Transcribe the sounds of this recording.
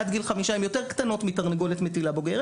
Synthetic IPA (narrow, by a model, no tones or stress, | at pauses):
ad̪ɡilχamiʃaimjo̞t̪eʁkt̪ano̞t̪mit̪aʁniɡo̞let̪metilabo̞ɡe̞ʁ